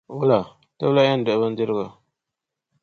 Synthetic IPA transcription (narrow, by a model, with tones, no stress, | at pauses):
wʊ˦la˨ | ta˦bla˦a˦n˦dɛ˨˦ba˦n˦dɪ˦ɾɨ˦ɡa˨